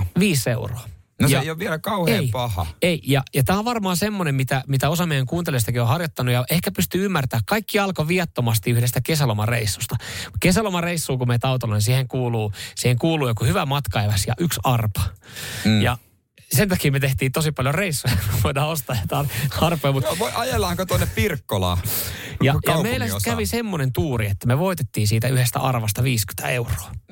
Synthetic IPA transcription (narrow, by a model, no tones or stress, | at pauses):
ʋiːseuroɑ | nojɑejoʋʋielækɑuheːipɑhɑ̰eijɑjɑt̪æːoʋʋɑrmɑːsemːonemmit̪æmit̪æosɑmejæŋkuːnelieost̪ɑkiohɑrjot̪ːɑnujɑʔehkæpyst̪yymːært̪æːkkɑikːiɑlkoʋiɑt̪ːomɑst̪iyhdest̪ækesælomɑreisːu̥st̪ɑkesælomɑreisːuːkumet̪ɑut̪olɑnsiːheŋkuːluːsiːheŋkuːluːjokuhyʋæmɑt̪kɑeʋɑsjɑ̰ʔyksɑrpɑ̥ | jɑ | sent̪ɑkiːmet̪eht̪iːnt̪osipɑljoreisːujɑmʋoinɑːost̪ɑːjɑt̪ɑːnɑrpojmut̪ʋoiʔɑjelːɑːŋkot̪onːeppirkːolɑ̰jɑjɑmeilːæsikæʋisemːonent̪uːriet̪ːæmeʋoit̪et̪ːiːnsiːt̪æyhest̪æ̰ɑrʋɑst̪ɑʋiːsky̥t̪æ̰euro̥ɑ